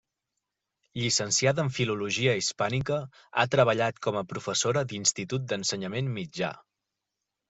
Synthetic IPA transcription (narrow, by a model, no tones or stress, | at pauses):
ʎisənsiaðəɱfiluluʒiəispanikə | a̰t̪ɾəβ̞əʎat̪kɔməpɾufəsoɾəd̪inst̪it̪ut̪̚d̪ənsəɲəmenmːid͡ʒa̰